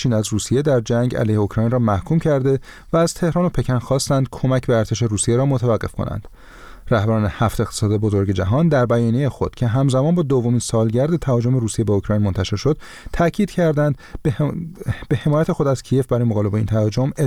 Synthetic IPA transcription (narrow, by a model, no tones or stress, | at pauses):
t͡ʃʰiːnæzruːsije̞d̪æɾd͡ʒæŋɟæ̰lejheokʰɾɒːjnrɒːmæhkʰuːmcʰæɾd̪e̞ | væːz̥t̪ʰe̞hɾɒːno̞pʰe̞cʰænxɒːst̪ænd̪̥kʰo̞mæcʰbeæɾt̪ʰe̞ʃe̞ɾuːsijeɾɒːmot̪ʰævæɣːe̞fkʰo̰næ̰nd̪̥ | ræhbæɾɒːne̞hæft̪e̞xt̪e̥sɒːd̪ebozo̞ɾɟe̞d͡ʒæɦɒːnd̪æɾbæjɒːnijejexo̞̰d̪̥cʰe̞ɦæmzæmɒːnbɒːd̪ovːo̞miːnsɒːlɟæɾd̪et̪ʰæhɒːd͡ʒo̞me̞ɾuːsije̞beokʰɾɒːjnmo̞nt̪ʰæʃe̞ɾʃo̞d̪̥̚ | t̪ʰæcʰiːd̪̥cʰæɾd̪ænd̪ | b̥ehe̞mɒːjæt̪ʰe̞xod̪æz̥cʰije̞fbæɾɒjemoɣɒːle̞beḭnt̪ʰæɒd͡ʒo̞me